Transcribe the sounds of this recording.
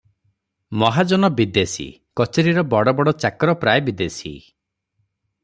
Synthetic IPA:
mɔɦad͡ʒɔnɔbid̪esḭ | kɔt͡ʃeɾiɾɔbɔɽɔbɔɽɔt͡ʃakɔɾɔpɾajbid̪esḭ

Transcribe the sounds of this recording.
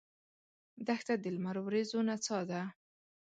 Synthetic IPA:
d̪axt̪ad̪ɪlmaɾowɾezonat͡sɑd̪a

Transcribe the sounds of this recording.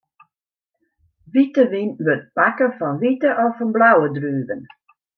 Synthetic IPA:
ʋitəʋinʋøt̚pakəfɔnʋitəʔɔfɔnblawədryːvən

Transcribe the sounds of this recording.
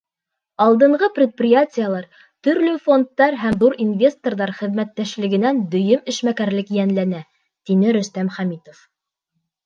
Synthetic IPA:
ɑlˠd̪ɤ̆ɴɢɤprʲɪet̪̚prʲɪjatʲɪjəlˠɑɾ | t̪ɵ̆ɾlɵfond̪ːɑɾɦæmðuɾinvʲe̞st̪orðɑɾχɘ̆ðmæt̪ːæʃlɘ̆ɡɘ̆nænd̪ɵ̆jɵmɘ̆ʃmækæɾlɘkjænlænæ | t̪inɘɾɵ̆st̪æmχæmit̪of

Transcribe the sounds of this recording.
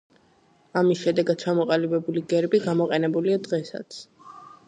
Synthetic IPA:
amisʃɛd̪ɛɡad̪̥̚t͡ʃʰamɔqʼalibɛbuliɡɛɾbiɡamɔqʼɛnɛbuliad̪ʁɛsa̰t̪sʰ

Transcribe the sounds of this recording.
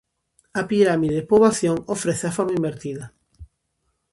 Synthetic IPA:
apiɾamiðepoβaθjoŋofɾeθeafoɾmaimbeɾt̪iðɐ

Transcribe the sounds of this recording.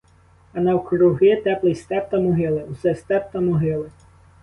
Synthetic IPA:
ɐnɐwkɾʊɦɪt̪ɛplˠɪjst̪ɛp̚t̪ɐmɔɦɪlˠɪwsɛst̪ɛp̚t̪ɐmɔɦɪlˠɪ

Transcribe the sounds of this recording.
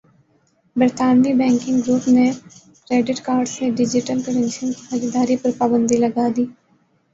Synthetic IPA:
bəɾt̪aːnʋibɛ̃ːŋkɪ̃ŋɡɡɾuːpne | kɾeːɖɪʈkaːɾɖseɖɪd͡ʒɪʈəlkəɾẽnsə̃nkiɐd͡ʒɪd̪aːɾipɐɾpaːbə̃nd̪ilɐɡad̪iː

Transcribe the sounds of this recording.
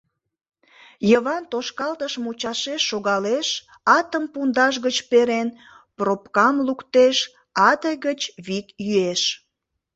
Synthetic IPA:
jəβɑnt̪oʃkɑlt̪əʃmut͡ɕɑʃeʃːoɣɑleʃ | ɑt̪əmpund̪ɑʃɣət͡ɕpeɾen | propkɑmlukt̪eʃ | ɑd̪əɣət͡ɕβikjyeʃ

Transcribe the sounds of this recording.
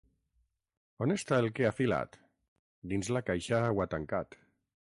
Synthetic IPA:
onest̪aelkeafila̰t̪ | d̪inzlakajʃawat̪aŋkat̪

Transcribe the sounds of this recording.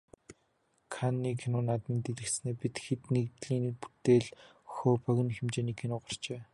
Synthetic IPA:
kʰanːiːkʰenʊːnat̪miːnt̪eɮɘ̆kt̪sneːpit̪xet̪nekt̪ɮiːnpu̥t̪eːɮxoːpœɣʲɪ̆nxemt͡ɕeːniːkʰenʊːɢar̥t͡ɕeː

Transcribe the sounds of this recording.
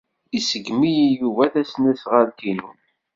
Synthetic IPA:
isəɡmijijuvæθæsnæsʁəɾkinṵn

